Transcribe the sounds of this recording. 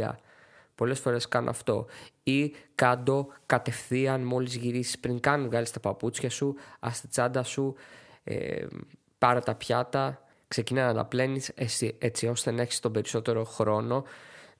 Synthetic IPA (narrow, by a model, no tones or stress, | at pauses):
ɐ̰ | po̞le̞sfo̞ɾe̞skɐno̰ɐ̰ft̪o̞̰ikɐd̪o̞kɐt̪e̞fθiɐnmo̞lizʝiɾisi̥spɾiŋkɐnuɣɐlist̪ɐpɐput͡sçɐsuɐ̰st̪i̥t͡sɐnd̪ɐsuḛ | pɐɾɐt̪ɐpçɐt̪ɐ | kse̞cinɐnɐnɐ̰ple̞nisesie̞t͡sio̞st̪ene̞çi̥st̪o̞be̞ɾiso̞t̪e̞ɾo̞xɾo̞no̞